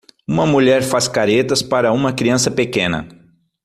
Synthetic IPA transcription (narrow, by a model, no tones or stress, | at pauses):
ũmɐmuʎɛɾfaskaɾet̪ɐspaɾɐũmɐkɾiɐ̃sɐpekẽnɐ̰